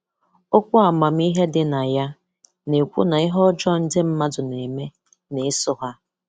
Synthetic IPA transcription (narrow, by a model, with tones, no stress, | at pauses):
o˦kʷʊ˦a˨ma˨m̩˦i˦ɦe˦dɪ˨na˨ja˦ | ne˨kʷṵ˦na˨ɪ˦ɦɔ˦d͡ʒɔ˦n̩˦dɪ˦m̩˦ma˦dʊ˨ne˨me˦ | ne˨˦sʊ˦ɦa˦